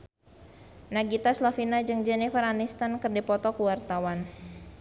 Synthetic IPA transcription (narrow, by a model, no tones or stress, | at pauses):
naɡit̪aslafinad͡ʒɨŋd͡ʒɛnɛfaranist̪ankɨrdipɔt̪ɔkuwart̪awan